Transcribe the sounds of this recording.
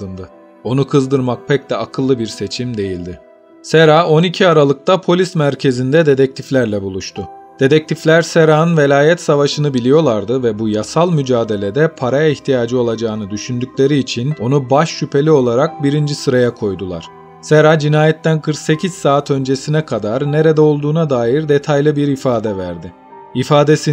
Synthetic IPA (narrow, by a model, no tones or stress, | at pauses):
ɯnd̪ɯ | o̞nukʰɯzd̪ɯɾmak̚pʰɛc̚d̪ɛakʰɯlˠːɯbiɾse̞t͡ʃʰimd̪e̞jilʲd̪ɪ | seɾao̞nicʰiaɾalˠɯk̚t̪ʰapʰo̞lʲismæɾcʰe̞zind̪ɛd̪e̞d̪ɛc̚t̪ʰiflʲæɾlʲɛbulˠuʃt̪ʰʊd̪̥e̞d̪ɛc̚t̪ʰiflʲæɾseɾaːɯnve̞lʲaːjɛt̪savaʃɯnɯbilʲijo̞lˠaɾd̪ɯvɛbujasalˠmyd͡ʒaːd̪e̞lʲe̞d̪ɛpʰaɾajaiçt̪ʰijaːd͡ʒɯo̞lˠad͡ʒaːɯnɯd̪yʃynd̪ykcʲlʲe̞ɾiːt͡ʃʰino̞nubaʃːypʰe̞lʲio̞lˠaɾak̚biɾind͡ʒisɯɾajakʰo̞jd̪ulˠa̰ɾ̥ | seɾad͡ʒinaːjɛt̪ːænkʰɯɾkse̞cʰiz̥saːt̪ʰø̞nd͡ʒe̞sinɛkʰad̪aɾne̞ɾed̪ɛo̞lˠd̪uːnad̪aːjiɾd̪e̞t̪ʰajlˠɯbiɾifaːd̪ɛvæ̰ɾd̪ɪ | ifaːd̪e̞si